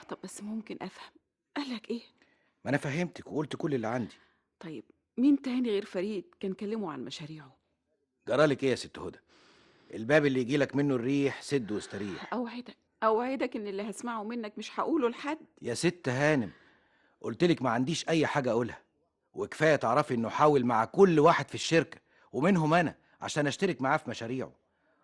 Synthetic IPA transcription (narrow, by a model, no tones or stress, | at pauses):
t̪ˤɑbbæsːmomkenʔæfhæm | ʔælːækʔeː | ʔænæfæɦemt̪ækweʔolt̪kolːelːiʕand̪i̥ | t̪ˤɑjːeb̥ | miːnt̪ææːniɣeːɾfæɾiːd̪̚kæːnkælːemuʕa̰nmæʃæɾiːʕo | ɡɑɾˤɑːlekʔeːjæset̪ːhod̪æ | ʔelbæːbelːijɡiːlækmenːorːiːħsed̪ːwest̪æɾiːhħʔæwʕed̪æk̚ | ʔæwʕed̪ækenːelːiɦæsmaʕomenːækmɪʃħaʔuːlolħad̪ːjæset̪ːɦæːnem | ʔolt̪elekmæʕand̪iːʃʔæjːħaːɡæʔæʔolhæ̥ | weke̥fæːjæt̪eʕɾˤɑfiʔenːoħaːwelmaʕakʊlːwaːħed̪fiʃːeɾkæ̥ | wemenɦomʔænæ | ʕa̰ʃæːnʔæʃt̪eɾekmaʕaːfimæʃæːɾiːʕo̰